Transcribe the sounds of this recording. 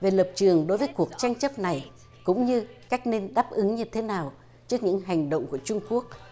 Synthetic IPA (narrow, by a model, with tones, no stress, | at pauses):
ve˨˩lə˨˩p̚t͡ɕɨ˨˩əŋɗo˨˦jvəː˨˦jku˨˩ək̚t͡ɕa˧jŋ̟t͡ɕə˦˥p̚na˨˩j | kʊ̰˧˥ŋ͡mɲɨ˧kaː˦˥jk̟̚ne˧nɗaː˦˥p̚ʔɨ˨˦ŋɲɨ˧t̪ʰe˨˦naː˨˩w | t͡ɕɨ˦˥ək̚ɲɨ̰˧˥ŋɦa˨˩jŋ̟ɗo̰˧˨wŋ͡mku˧˩ət͡ɕʊ˧ŋ͡mku˦˥ək̚